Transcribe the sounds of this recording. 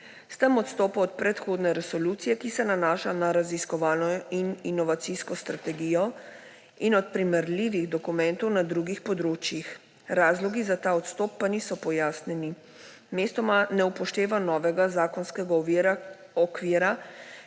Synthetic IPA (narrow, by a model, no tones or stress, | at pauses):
st̪əmɔt̪st̪ɔːpɔɔt̪̚pɾɛt̪xoːd̪nɛɾɛsɔlut̪sijɛkisɛnanaːʃanaɾaziskɔʋaːlnɔininɔʋat̪siskɔst̪ɾat̪ɛɡijɔ | inɔt̪̚pɾimɛɾliːʋiɣd̪ɔkumɛnt̪ɔwnad̪ɾuɡixpɔd̪ɾoːt͡ʃjix | ɾaːzlɔɡizat̪aːɔt̪st̪ɔːp̚ːanisɔpɔjaːsnɛni | meːst̪ɔmanɛupɔʃt̪eːʋanɔːʋɛɡazaːkɔnskɛɡaɔʋiɾa | ɔkʋiːɾa